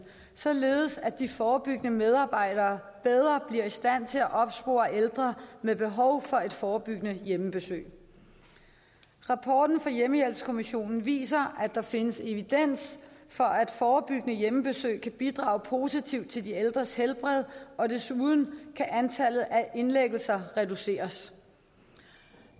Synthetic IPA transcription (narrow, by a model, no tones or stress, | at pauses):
sɒ̽le̝ːð̞̩ˠəsæd̥ifɒːb̥yɡ̥ənəmeð̞ˠɑ̈ːb̥ɑ̈ɪ̰d̥ɐːb̥eð̞ˠʁɐb̥liɐisd̥æn̰t͡sʰe̝læʔɒ̽b̥sb̥o̝̰ːɐʔeld̥ʁɐmeb̥e̝ɦɒ̽ʊfɒ̽e̝d̥fɒːb̥yɡ̥ənəjeməb̥e̝sø̰ː | ʁɑ̈pʰɒːd̥n̩fɑ̈jeməjel̰b̥skʰo̝miɕo̝̰ːnn̩ʋḭːsɐʔæd̥ɑ̈fe̝nəse̝ʋid̥en̰sfɒ̽æd̥fɒːb̥yɡ̥ənəjeməb̥e̝sø̰ːɪkʰæb̥id̥ʁɑ̰̈ːʊpʰo̝ːsit͡sʰiʊd̥̚t͡sʰe̝ld̥ield̥ʁɐshelb̥ʁɛð̞̰ˠɒ̽d̥e̝suð̞ˠn̩kʰæʔænt͡sʰæl̰ð̩ˠʔæʔe̝nleɡ̥l̩sɐʁɛd̥use̝̰ːɐs